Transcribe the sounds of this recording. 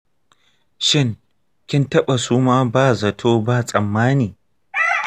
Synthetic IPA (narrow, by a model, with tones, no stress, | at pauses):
ʃɪ˦ŋ | kʲɪ˦ntɐ˦ɓa˨suː˦maː˦baː˦˨zɐ˨tʰoː˦baː˦sʼɐ˨mːaː˦niː˨